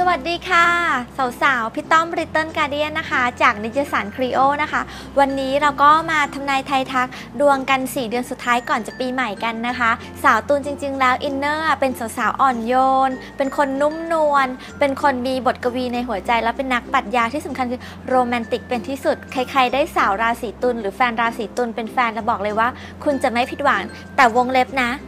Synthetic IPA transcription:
sa˧wa˨˩t̪̚diː˧kʰaː˥˩sa˩˦wsaː˩˦wpʰi˦˥t̪ːɔ˥˩mɾi˦˥t̪ːɤː˥˩nkaː˧di˦˥˩ənːa˦˥kʰa˦˥t͡ɕaː˨˩k̚na˧ji˧saː˩˦nkʰɾiː˧˥ʔoː˥˩na˦˥kʰa˦˥ | wa˧nːiː˦˥ɾa˧wkɔː˥˩maː˧t̪ʰa˧mnaː˧jt̪ʰa˧jt̪ʰa˦˥k̚ | du˧əŋka˧nsiː˨˩dɯ˧ənsu˨˩t̪ʰːaː˦jkɔː˨˩nt͡ɕa˨˩piː˧ma˨˩jka˧nːa˦˥kʰa˦˥ | saː˩˦wt̪uː˧nt͡ɕi˧ŋt͡ɕi˧ŋlɛː˦˥wʔi˧nːɤː˥˩pe˧nsa˨˩˦wsaː˩˦wʔɔː˨˩njoː˧npe˧nkʰo˧nːu˦˥mnu˧ən | pe˧nkʰo˧nmiː˧bo˨˩t̪̚ka˧wiː˧na˧jɦu˩˦ɐt͡ɕa˧jlɛː˦˥wpe˧nːa˦˥k̚pa˨˩t̪̚jaː˧t̪ʰi˥˩sa˩˦mkʰa˧nkʰɯː˧ | ɾoː˧mɛː˧nt̪i˨˩k̚pe˧nt̪ʰiː˥˩su˨˩t̪̚kʰa˧jkʰa˧jdaː˥˩jsaː˩˦wɾaː˧wsiː˩˦t̪u˧nɾɯː˩˦fɛː˧nɾaː˧wsiː˩˦t̪u˧npe˧nfɛː˧nlɛː˦˥wbɔː˨˩k̚lɤː˧jwaː˥˩ | kʰu˧nt͡ɕa˨˩ma˥˩pʰi˨˩t̪̚waː˩˦ŋ | t̪ɛː˨˩wo˧ŋle˦˥p̚na˦˥ʔ

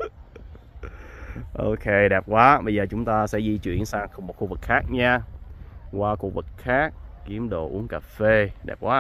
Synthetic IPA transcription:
ʔo̰˧kʰe˧ɗɛː˨˩p̚kwaː˨˦ɓə˧jzəː˨˩t͡ɕʊ˨˦ŋ͡mt̪aː˧sɛ̰˧˥zi˧t͡ɕwḭ˧˨ənsaː˧ŋxə˧ŋ͡mm˨˩t̚xu˧˩vɨ˨˩k̚xaː˦˥k̚ɲaː˧ | kwaː˧ku˨˧ək̚vɨ˨˩k̚xaː˦˥k̚ːi˨˦əmɗo̰˨˩ʔu˨˦əŋkaː˨˩fe˧ɗɛ̰˨˩p̚kwaː˨˦

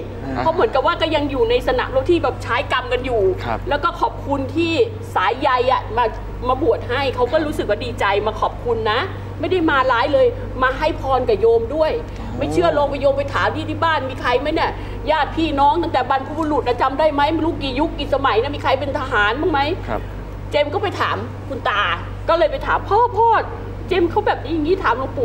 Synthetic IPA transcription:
pʰɔ˦˥mɯ˩˦ənka˨˩p̚waː˥˩kɔː˥˩ja˧ŋjuː˨˩na˧jsa˧na̰˨˩lo˧˩t̪ʰiː˥˩bɛː˨˩p̚t͡ɕʰaː˦˥jka˧mka˧njuː˨˩lɛː˦˥wkɔː˥˩kʰɔː˨˩p̚kʰu˧nt̪ʰiː˥˩ | saː˩˦jːa˧jʔa˨˩maː˧ | maː˧bu˨˩ət̪̚ha˥˩jkʰa˦˥wkɔː˥˩ɾuː˦˥sɯ˨k̚waː˥˩diː˧˩t͡ɕa˧jmaː˧kʰɔː˨˩p̚kʰu˧nːa˦˥ʔ | ma˥˩jda˥˩jmaː˧laː˦˥jlɤː˧j | maː˧ɦa˥˩jpʰɔː˧nka˨˩joː˧mdu˥˩əj | ma˥˩jt͡ɕʰɯ˥˩loː˧ŋpa˧joː˧mpa˧jt̪ʰaː˩˦mt̪ʰiː˧˥˩t̪ʰiː˥˩baː˥˩nmiː˧kʰa˧jma˦˥jni˦˥˩ɐ | jaː˥˩t̪̚pʰiː˥˩nɔː˦˥ŋt̪a˥˩ŋt̪ɛː˨˩ba˧npʰu˧u˧lu˨˩t̪̚ʔa˦˧˥t͡ɕa˧mdaː˥˩jma˦˥jma˧nluː˦˥˩kːiː˨˩ju˦˥kːi˨˩sa˧ma˨˩˦jna˦˥˩miː˧kʰa˧jpe˧nt̪ʰa˧ɦaː˨˩˦nmaː˥˩ŋma˦˥j | t͡ɕe˧mkɔː˥˩pa˧jt̪ʰaː˩˦m | kʰu˧nt̪aː˨˩ | kɔː˥˩lɤː˧jpa˧jt̪ʰaː˩˦mpʰɤː˥˩mpʰɔː˥˩t̪̚ | t͡ɕe˧mkʰa˦˥wbɛː˨˩p̚niː˦˥ja˧ŋiː˦˥˩t̪ʰaː˩˦mluː˦˥˩k̚pu˨˩

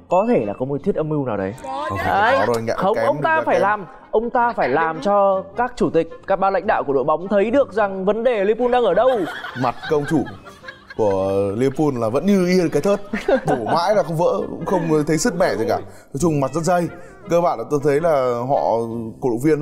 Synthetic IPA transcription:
kɔ˨˦t̪ʰe˧˩laː˨˩kɔ˨˦mo˨˩t̪ʰi˦˥ət̚ʔə˧mi˧wnaː˨˩wɗə̰˨˦jʔʔaː˧˩jŋa̰˧˨xə˧˦˧ə˧ŋ͡mt̪aː˧faː˧˩jlaː˨˩m | ʔə˧wŋ͡mt̪aː˧faː˧˩jlaː˨˩mt͡ɕɔ˧kaː˦˥k̚t͡ɕu˧˩t̪ï˨˩k̟̚kaː˦˥k̚ɓaː˧la̰˧jŋ̟ɗa̰ː˧˨ku˧˩ə˨ɗo̰˧˨jɓa˨˦wŋ͡mt̪ʰə˨˦jɗɨ˨˩ək̚za˨˩ŋvə˨˦nɗe˨˩li˧pu˧nɗaː˧ŋʔəː˧˩ɗə˧wma˨˩t̚kə˧wŋ͡mt͡ɕu˧˩ | ku˧˩əli˧əpu˧nlaː˨˩və̰˧˥nɲɨ˧ʔi˧ɨ˨˩kaː˨˦jt̪ʰəː˦˥t̚ɓo˧˩ma̰ː˧˥jlaː˨˩xə˧wŋ͡mvə̰ː˧˥xə˧wŋ͡mt̪ʰə˨˦jsɨ˦˥t̚mɛ˧˩zə˨˩kaː˧˩t̪ʰo˨˦jt͡ɕʊ˧ŋ͡mma˨˩t̚zə˦˥t̚zə˧j | kəː˧ɓa̰ː˧˨na˧˦˩t̪o˧jt̪ʰə˨˦jlaː˨˩ɦɔ̰˧˨ko˧˩ɗṵ˨˧˩vi˧ən

